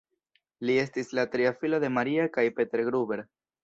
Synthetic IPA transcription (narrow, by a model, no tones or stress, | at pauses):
lie̞stislatɾiafilode̞maɾiakajpe̞te̞ɾɡɾube̞ɾ